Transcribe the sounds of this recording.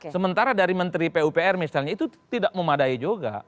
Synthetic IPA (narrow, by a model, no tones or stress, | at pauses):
səmənt̪aɾadaɾimənt̪ɾipeupeɛrmisalɲait̪ut̪idaʔ̚məmadaid͡ʒoɡa̰